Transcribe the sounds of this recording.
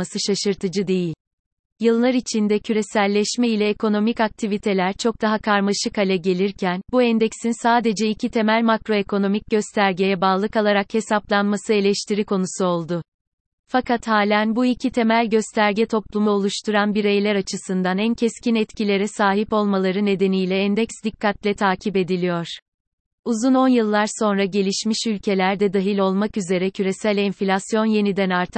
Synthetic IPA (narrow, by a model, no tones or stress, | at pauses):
asɯʃaʃɯɾt̪ʰɯd͡ʒɯd̪e̞jilʲ | jɯlˠːaɾit͡ʃʰind̪ɛcʰyɾe̞sælʲːɛʃmɛilʲɛekʰo̞no̞mikak̚t̪ʰivit̪ʰe̞lʲæɾt͡ʃʰo̞k̚d̪aɦakʰaɾmaʃɯkalʲɛɟe̞lʲiɾcʰænbuɛnd̪ɛksinsaːd̪e̞d͡ʒɛicʰit̪ʰe̞mælʲmakɾo̞ekʰo̞no̞mic̚ɟø̞st̪ʰæɾɟejɛbaːlˠɯkalˠaɾakhe̞sap̚lˠanmasɯe̞lʲɛʃt̪ʰiɾikʰo̞nusuo̞lˠd̪ʊ | fakat̪haːlʲænbuicʰit̪ʰe̞mælʲɟø̞st̪ʰæɾɟɛt̪ʰo̞plˠumuo̞lˠuʃt̪ʰuɾanbiɾejlʲæɾat͡ʃʰɯsɯnd̪anæncʰɛscinɛt̪cilʲe̞ɾɛsaːɦipo̞lˠmalˠaɾɯne̞d̪e̞nijlʲɛːnd̪ɛksd̪ikːat̪lʲɛt̪ʰaːcʰipe̞d̪ilʲijo̞ɾ̥ | uzuno̞njɯlˠːaɾso̞nɾaɟe̞lʲiʃmiʃylʲcʰe̞lʲæɾd̪ɛd̪aɦilʲo̞lˠmakyze̞ɾɛcʰyɾe̞sælʲɛnflʲasjo̞nje̞nid̪ænaɾt̪ʰɯ̥